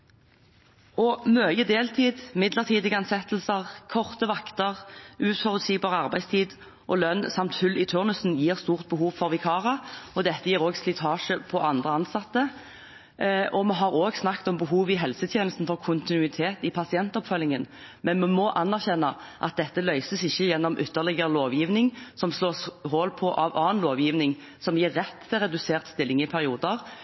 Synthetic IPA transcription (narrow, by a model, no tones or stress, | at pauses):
ɔmøːjəd̪eːlt̪ʰiːd̪mɪd̪ləʁt̪ʰiːd̪ɪɡɑnsɛt̪ːl̩səʁkʰɔʁt̪əʋɑkt̪əʁʉːt̪fɔʁʉt̪siːɡbɑːʁəɑʁbæɪst̪ʰiːd̪ | ʔɔlœnːsɑmt̪fʉlːɪt̪ʰʉʁnʉsn̩jiːʁst̪uːʁt̪̚bəɦuːʋfɔʁʋɪkʰɑːʁɑɔd̪ɛt̪ːəjiːʁoːɡslɪt̪ʰɑːʂəpʰɔʔɑnd̪ʁəɑnsɑt̪ːə | ʔɔmɛɦɑʁoːɡsnɑkt̪ɔmbəɦuːʋɪɦɛlsət̪ʰjeːnəst̪n̩fɔʁkʰʊnt̪ɪnʉɪt̪ʰeːt̪ɪpʰɑsɪɛnt̪ɔpfœlɪŋən | mɛnmɛmɔʔɑnːæʁçɛnːə | ʔɑt̪̚d̪ɛt̪ːəlœʏsəsɪçːəjɛnːɔmʔʏt̪ːəʁlɪɡəɾəloːʋjiːʋnɪŋsɔmsloːshoːlpʰɔʔɑʋɑːənloːʋjiːʋnɪŋ | sɔmjiːʁːɛt̪ːʰɪlɾɛd̪ʉseːʁt̪st̪ɪlːɪŋɪpʰæʁɪuːd̪əʁ